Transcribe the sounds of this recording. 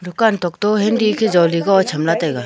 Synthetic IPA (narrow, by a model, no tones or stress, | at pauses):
d̪ʊkaːnt̪ɔkt̪oɦend̪ikʰed͡ʒɔːliɡaɔt͡ʃʰɐmlat̪eɡa